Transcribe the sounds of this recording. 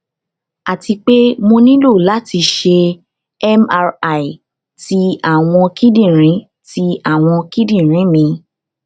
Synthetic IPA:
a˨ti˧k͡pe˦mo˧nĩ˦lo˦˨la˦ti˧ʃe˧ | ɛ˦ma˧ɾa˨i˨ | ti˧a˦˨w̃ɔ̃˧ki˦dĩ˦˨ɾ̃ĩ˨˦ | ti˧˦a˦˨w̃ɔ̃˧ki˦dĩ˦˨ɾ̃ĩ˨˦mĩ˧

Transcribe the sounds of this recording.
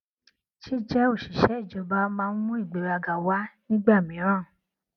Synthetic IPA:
ʃi˦d͡ʒɛ˦o˦˨ʃi˨ʃɛ˨˦i˦˨d͡ʒɔ˧ba˦mãː˧n̩˦mũ˦i˦˨ɡ͡be˨ɾa˧ɡa˨wa˦nĩ˦ɡ͡ba˦˨mĩ˨˦ɾ̃ãː˦˨

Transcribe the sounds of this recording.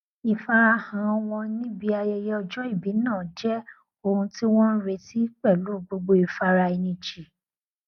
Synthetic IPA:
i˧fa˧ɾa˧hã˨˧w̃ɔ̃˧nĩ˦bi˧˦a˧jɛ˧jɛ˦ɔ˧d͡ʒɔ˦i˦˨bi˨˦nãː˦˨d͡ʒɛ˦ | o˧hũ˧ti˦w̃ɔ̃˦n̩˦ɾe˧ti˦k͡pɛ˦˨lu˨˦˨ɡ͡bo˧ɡ͡bo˧i˨fa˧ɾa˧i˧nĩ˧d͡ʒi˨

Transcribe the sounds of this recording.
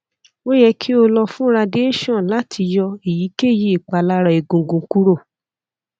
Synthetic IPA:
o˦jɛ˧kʰi˦o˧lɔ˧fũ˦ɾa˧de˦e˦˨ʃɔ̃˦˨la˨˦tʰi˧jɔ˧e˨ji˨˦ke˦˨ji˦i˨k͡pa˧la˦ɾa˧e˨ɡũ˨ɡũ˨˧˦ku˦ɾo˦˨

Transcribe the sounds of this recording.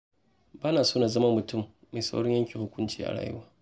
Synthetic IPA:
baː˦na˨soː˦na˨zɐ˦mɐ˦mːʊ˨tʊ˦˨mːa˨sa̰˦wɽɔ˦ɲjɐ˦ŋkʲi˨hʊ˦kʷʊ˦nt͡ʃiː˦˨ʔa̰˨ɽa̰ː˨jʊ̰˦waː˦

